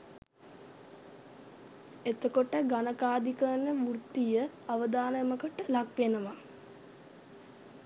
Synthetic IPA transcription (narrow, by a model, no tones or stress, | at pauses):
et̪əkoʈəɡanəkaːd̪ikənəmurt̪ːijə | aʋəd̪aːnəeməkəʈəlakʋenəʋa